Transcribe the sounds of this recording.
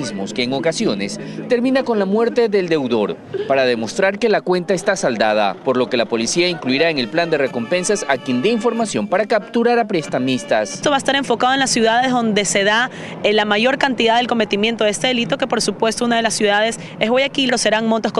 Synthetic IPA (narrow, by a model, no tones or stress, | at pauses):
zmoske̞ːŋo̞kasjo̞ne̞st̪e̞ɾmĩnako̞nlamwe̞ɾt̪e̞ðeld̪e̞wðo̞ɾ | paɾaðe̞mo̞st̪ɾaɾke̞lakwe̞nt̪aest̪asald̪að̞a̰po̞ɾlo̞ke̞lapo̞lisiaiŋkluiɾae̞ŋe̞lpland̪e̞re̞ko̞mpe̞nsasakjend̪eĩɱfo̞ɾmasjo̞mpaɾakap̚t̪uɾaɾapɾest̪amist̪ast̪o̞βaest̪aɾe̞ɱfo̞kaðoe̞nlasːjuðaðe̞zðond̪e̞se̞ða | lamaʝo̞ɾkant̪iðaðelko̞me̞t̪imjent̪o̞ðest̪e̞ðe̞lit̪o̞ke̞po̞ɾsupwe̞st̪o̞unaðe̞lasːjuðaðe̞s | ezβojakilo̞se̞ɾaŋmont̪os